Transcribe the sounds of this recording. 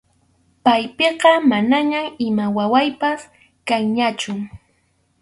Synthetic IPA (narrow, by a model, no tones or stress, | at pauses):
pajpeɢɑmanaɲamɪmawawajpas | kaŋɲat͡ʃʊ